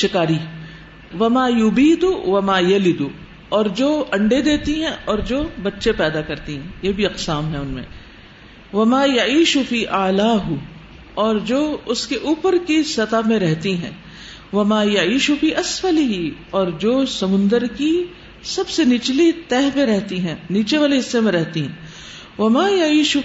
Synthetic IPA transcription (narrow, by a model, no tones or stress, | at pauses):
ʃɪkaːɾiː | ʋɐmaːjʊbiːd̪uʋɐmaːjɐlɪd̪u | ɔːɾd͡ʒoːɐ̃ɳɖed̪eːt̪iɦɛ̃ʔɔːɾd͡ʒoːbɐtːʃepɛːd̪akɐɾt̪iɦɛ̃jeːbʱiɐqsaːmɦɛ̃ʊnmḛ̃ | ʋɐmaːjɐʕiːʃʊfiːʔaːlaːɦʊ | ɔːɾd͡ʒoːʊskeʔuːpəɾkisɐt̪amẽɾɛɦt̪iɦɛ̰̃ː | ʋɐmaːjɐʕiːʃʊfiːʔɐsfɐlɪɦiɔːɾd͡ʒoːsɐmʊ̃nd̪əɾki | sɐbsenɪt͡ʃlit̪ɛːɦpẽɾɛɦt̪iɦɛ̃ːniːt͡ʃeʋaːleɪsːemẽɾɛɦt̪iɦɛ̰̃ː | ʋɐmaːjɐiːʃʊ